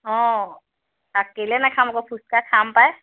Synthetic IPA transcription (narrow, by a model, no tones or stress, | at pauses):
ɦɔ̃ | akːelienakʰamokopʰust̚kakʰampae